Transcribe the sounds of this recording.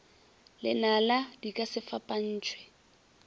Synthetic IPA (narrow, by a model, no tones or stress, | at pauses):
lɪnaladikʼasɪfapʼan̩ːt͡ʃʰʼwɛ